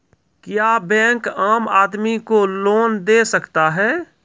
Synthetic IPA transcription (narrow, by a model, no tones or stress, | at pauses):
kjaːbɛ̃ːŋkaːmaːd̪mikoloːnd̪eːsəkt̪aɦɛː